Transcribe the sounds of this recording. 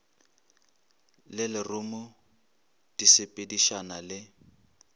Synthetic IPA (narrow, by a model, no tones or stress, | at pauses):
lɪlɪrʊmʊ | d̥isɪpʼediʃanalɪ